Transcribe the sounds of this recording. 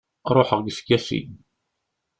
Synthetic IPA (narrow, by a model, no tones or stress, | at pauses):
ɾˤoħəʁɡskːæsḭɡ